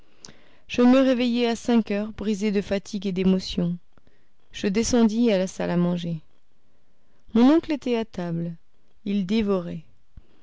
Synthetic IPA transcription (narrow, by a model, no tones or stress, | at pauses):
ʒ̥əməʁevejeasɛ̃kʲœʁbʁized̪əfat̪ʰiɡed̪emɔsjɔ̃ | ʒ̥əd̪esɑ̃d̪ialasa̰lamɑ̃ʒe | mɔ̃nɔ̃klet̪ɛat̪abl | ild̪evɔʁɛ